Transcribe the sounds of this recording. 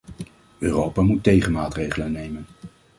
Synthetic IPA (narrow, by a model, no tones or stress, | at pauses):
øːrowpaːmutːejχənmaːtrejχələnːejmən